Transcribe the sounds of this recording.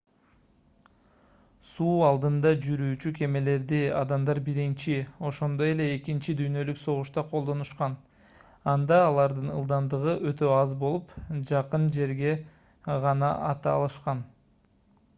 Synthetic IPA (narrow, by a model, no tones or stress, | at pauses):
suːɑlˠd̪ɯnd̪ɑd͡ʒyɾyːt͡ʃykʰe̞me̞le̞ɾd̪iɑd̪ɑmd̪ɑɾbiɾint͡ʃio̞ʃo̞nd̪o̞je̞le̞ːkint͡ʃid̪yjnø̞lykso̞ʁuʃt̪ɑqʰo̞lˠd̪o̞nuʃqɑn | ɑnd̪ɑːlˠɑɾd̪ɯnɯlˠd̪ɑnd̪ɯʁɯʔøt̪ø̞ɑzbo̞lˠupd͡ʒɑqɯnd͡ʒe̞ɾɡe̞ | ʁɑnɑʔɑt̪ɑːlˠɯʃqɑn